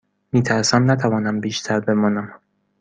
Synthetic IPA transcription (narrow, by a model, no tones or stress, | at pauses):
miːt̪ʰæɾsæmnæt̪ʰævɒːnæmbiːʃt̪ʰæɾbe̞mɒːnæm